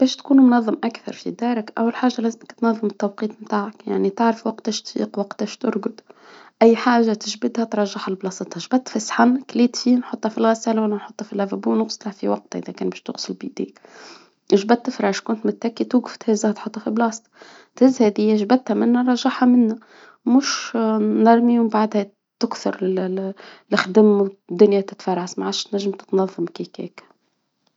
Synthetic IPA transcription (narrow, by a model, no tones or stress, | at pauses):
b̥ɛːʃt̪kuːnumnɑðˤːɨmʔakθɑ̰ɾˤfid̪ɑːɾɪkʔæ̰wːalħaːʒːalæːzɪməkt̪nɑðˤːɨmɪt̪ːɑwqiːt̪ˤmt̪aːʕakja̰ʕnit̪ɪʕɾɪfwaq̚t̪æːʃt̪fḭːqwaqt̪ːæʃt̪ʊ̰ɾɡʊd̪ʔæjːħaːʒat̪ɪʒbɪd̪hæt̪ɾˤɑʒːɪħalblɑːsɑt̪ˤhɑʒbæt̪ːfisħanːkliːt̪fiːnħot̪ˤːhɑfilɣɪsæːlawælːænħʊt̪ˤːhɑfilʕævæbuːnʊɣsˤlæfiwɑq̚t̪ʔɪðækæːnbɛːʃt̪ʊ̰ɣsʊlbiʔd̪ḭːk | ʒbæt̪ːɪfɾˤɑʕʃkʊnt̪mʊt̪ːækːit̪wuɡft̪hæzæht̪ħot̪ˤːhɑfiblɑːst̪ | t̪hɪzːhɛðɪjːæʒbæt̪hæmɪnːæɾˤɑʒːaħhæmɪnːæ | mʊʃnɑɾˤmiwmbaʕd̪hæ | t̪ʊkθʊɾˤ | lɪxd̪əmd̪ːʊnjæt̪ɪ̥t̪fɑrˤːaʕsmaʕaʃt̪næʒːəmt̪ɪ̥t̪nɑðˤːɑmkikɛ̰ːk